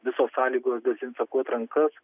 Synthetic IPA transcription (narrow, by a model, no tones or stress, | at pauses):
ʋʲɪsoːsːɑːlʲiːɡoːsd̪ɐsʲɪnsɐkuɔt̪ɾɐŋkɐs